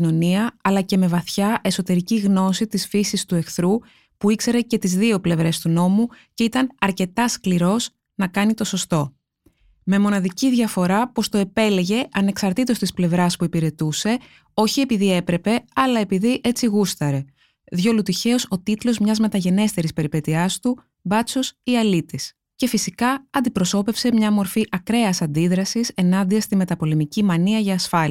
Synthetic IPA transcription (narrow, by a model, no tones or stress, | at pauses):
no̞niɐɐlɐce̞me̞vɐθçɐʔe̞so̞t̪e̞ɾiciɣno̞sit̪isfisist̪ue̞kθɾu | puikse̞ɾe̞ce̞t̪izðio̞ple̞vɾe̞st̪uno̞muce̞it̪ɐnɐɾce̞t̪ɐskliɾo̞s | nɐkɐnit̪o̞so̞st̪o̞ | me̞mo̞nɐðiciðʝɐfo̞ɾɐpo̞st̪o̞e̞pe̞le̞ʝe̞ʔɐne̞ksɐɾt̪it̪o̞st̪isple̞vɾɐspuipiɾe̞t̪use̞ | o̞çie̞piðie̞pɾe̞pe̞ɐlɐe̞piðiʔe̞t͡siɣust̪ɐɾe̞ | ðʝo̞lut̪içe̞o̞so̞t̪it̪lo̞zmɲɐzme̞t̪ɐʝe̞ne̞st̪e̞ɾispe̞ɾipe̞t̪iɐst̪u | bɐt͡sosiɐlit̪is | ce̞fisikɐɐnd̪ipɾo̞so̞pe̞fse̞mɲɐmo̞ɾfiʔɐkɾe̞ɐsɐnd̪iðɾɐsise̞nɐnd̪iɐst̪ime̞t̪ɐpo̞le̞micimɐniɐʝɐːsfɐl